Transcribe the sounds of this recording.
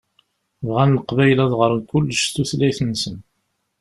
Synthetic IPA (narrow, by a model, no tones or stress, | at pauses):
vʁænːəqvæjlæðˤʁəɾˤkʊlːəʃt̪ːuθlæjθənːsən